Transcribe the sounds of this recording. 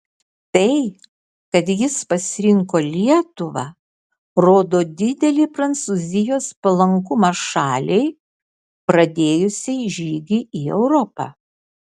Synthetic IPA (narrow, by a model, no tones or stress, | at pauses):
t̪ɐɪ | kɐt̪jɪspɐsʲɪɾʲɪŋkoːlʲiɛt̪ʊʋɑ̰ | ɾoːd̪oːd̪ʲɪd̪ʲɛlʲɪpɾɐnt̪suːzʲɪjoːspɐlˠɐŋkʊmɐʃɑːlʲɛɪ | pɾɐd̪ʲeːjʊsʲɛɪʒʲiːɡʲɪiːɛʊɾɔpɑ̰ː